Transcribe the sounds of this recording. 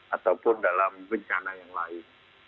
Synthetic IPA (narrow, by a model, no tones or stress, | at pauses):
ʔat̪awpʊndalambəɲt͡ʃanajaŋlaɪn